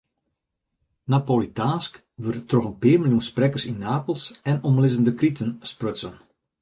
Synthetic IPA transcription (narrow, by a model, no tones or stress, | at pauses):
napoːlitaːsk | ʋørtrɔɣənpɪːrmilˠjunsprɛkərsinːaːpəlˠsɛnɔmlɪzəndəkritənsprøsən